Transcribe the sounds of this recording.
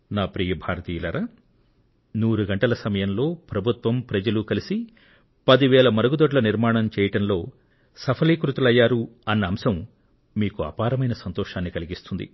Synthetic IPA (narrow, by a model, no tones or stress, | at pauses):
naːpɾiːjɐbʱaːɾɐt̪iːlɐɾʔɐ | nuːɾuɡɐɳʈɐlɐsɐmɐjɐmlo̞ːpɾɐbʱut̪ʋɐmpɾɐd͡ʒɐlukɐlisi | pɐd̪iʋɛːɭɐmɐɾɐɡud̪oɖlɐniɾmaːɳɐmt͡ʃɛːjɐʈɐmlo̞ː | sɐpʰɐliːkɾut̪ulɐjːaːɾuɐnːɐːmsɐm | miːkuɐ̰ːpaːɾɐmɐjnɐsɐnt̪ɔːʃaːnːikɐliɡist̪und̪ḭ